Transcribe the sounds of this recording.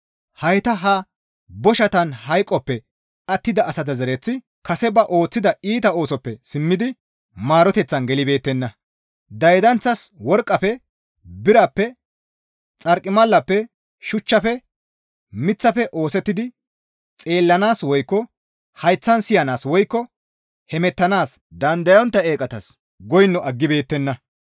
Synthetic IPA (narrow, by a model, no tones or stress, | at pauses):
hɐjt̪ɐɦɐ | bɔʃɐt̪ɐnɦɐjkʼːɔpːɛ | ɐt̪ːɪd̪ɐːsɐt̪ɐzɛɾɛt͡sːɪ | kɐsɛbɐʔo̞ːt͡sːɪd̪ɐiːt̪ɐo̞ːsɔpːɛsɪmːɪd̪ɪ | maːɾɔt̪ɛt͡sːɐnɡɛlɪbe̞ːt̪ːɛnːɐ | d̪ɐjd̪ɐnt͡sːɐswɔɾkʼːɐpɛ | bɪɾɐpːɛ | t͡sʼɐɾkʼːɪmɐlːɐpːɛ | ʃʊt͡ʃːɐfɛ | mɪt͡sːɐfɛʔo̞ːsɛt̪ːɪd̪ɪ | t͡sʼe̞ːlːɐnaːswɔjkːɔ | hɐjt͡sːɐnsɪjɐnaːswɔjkːɔ | hɛmɛt̪ːɐnaːs | d̪ɐnd̪ɐjɔnt̪ːɐe̞ːkʼɐt̪ɐs | ɡɔjnːɔʔɐɡːɪbe̞ːt̪ːɛnːɐ